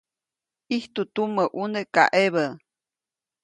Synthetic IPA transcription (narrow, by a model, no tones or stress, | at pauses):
iht̪ut̪uməʔuneka̰ʔeβə